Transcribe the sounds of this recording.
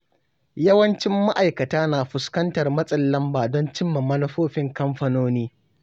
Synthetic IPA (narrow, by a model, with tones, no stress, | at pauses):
jɐ˦wɐ˦nt͡ʃɪ˦mːa˦ʔa˨jkɐ˨taː˦naː˨ɸʊ˨skɐ˦ntɐ˨rmɐ˦sʼɐ˨lːɐ˦mbaː˨dɔ˦nt͡ʃɪ˦mːɐ˨mɐ˦nɐ˦ɸoː˦ɸɪ˦ŋkɐ˦mɸɐ˨noː˦niː˦